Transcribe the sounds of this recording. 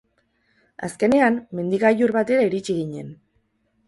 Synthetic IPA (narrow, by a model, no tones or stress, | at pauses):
a̰ske̞ne̞amme̞nd̪iɣajuɾβat̪e̞ɾaiɾit͡ʃiɣ̞iɲe̞n